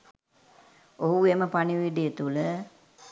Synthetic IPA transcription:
oɦueməpaniʋiɖijet̪ulə

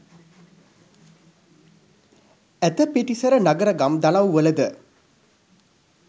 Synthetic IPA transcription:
æt̪əpeʈisəɾənaɡəɾəɡamd̪alawʋələd̪ə

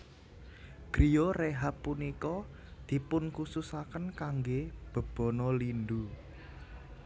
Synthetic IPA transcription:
ɡ̥ɾijoreɦapːunikɔ | d̪̥i̤pʊnkususakənkaŋɡeb̥ə̤b̥ɔ̤nɔlind̪u

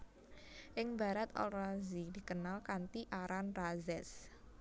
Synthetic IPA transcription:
ʔɪŋba̤ɾat̪ɔ̰lrazidi̤kənalkant̪iʔaɾanrazɛs

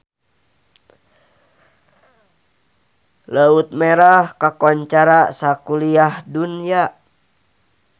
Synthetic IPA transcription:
ləut̪̚meɾahkakɔɲt͡ʃaɾasakuliahdunija

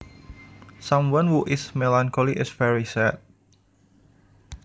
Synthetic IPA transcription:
sãmwãnhuʔɪsmelãŋkʰoliʔɪsfɛɹisɛt̪̚

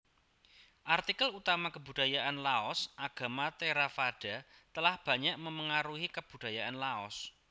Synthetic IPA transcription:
ʔart̪ikəlut̪amakəbud̥ajaʔanlaɔsʔaɡ̥a̤mat̪eɾafaɖ̥a̤t̪əlahb̥ä̤ɲaʔməməŋaɾuɦikəb̥ud̥a̤jaʔanlaɔ̰s

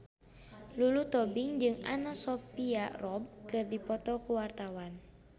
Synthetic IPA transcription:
lulut̪ɔbiŋd͡ʒɨŋa̰nasɔpiarɔb̚kɨrdipɔt̪ɔkuwart̪awan

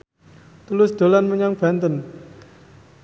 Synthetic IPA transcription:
t̪ulʊsd̪̥o̤lanməɲaŋb̥a̤nt̪ən

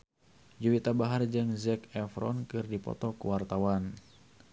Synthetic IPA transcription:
d͡ʒuwit̪abaɦard͡ʒɨŋzɛkɛfɾɔ̰nkɨrdipɔ̰t̪ɔkuwart̪awan

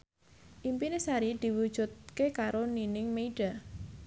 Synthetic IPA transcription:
ʔimpinesaɾid̪̥i̤wud̥ʒ̥ṳt̪̚kekaɾoninɪŋmeiɖ̥a

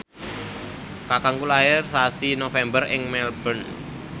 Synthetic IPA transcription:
kakaŋkulaɪrsasinofɛmbərɪŋmɛlb̥ən

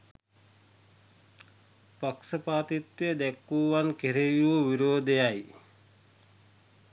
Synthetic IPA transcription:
paksəpaːt̪it̪wiəd̪ɛkːuːʋankeɾejuuʋiɾoːd̪ejaj

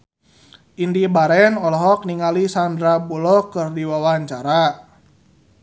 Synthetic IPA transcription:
ʔindibaɾɛnɔlɔɦɔk̚niŋalisandɾabulɔkɨrdiwawaɲt͡ʃaɾa

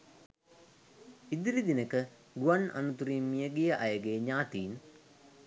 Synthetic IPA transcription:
id̪iɾid̪inəkə | ɡuanʔa̰nut̪uɾiːmːijəɡejəʔajəɡeːɲaːt̪iːn

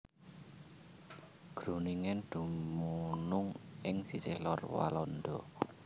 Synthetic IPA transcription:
ɡ̥ɾṳniŋɛnd̪̥ṳmunʊŋɪŋsiselɔrwa̰lɔnd̪ɔ

